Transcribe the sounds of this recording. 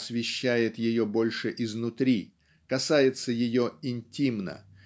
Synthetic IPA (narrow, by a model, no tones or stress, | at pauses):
svʲɪɕːæjɪt̪jɪjo̞bo̞lʲʂɨʔɪznʊt̪ɾʲi | kɐsajɪt̪səjɪjo̞ɪnʲtʲimnə̰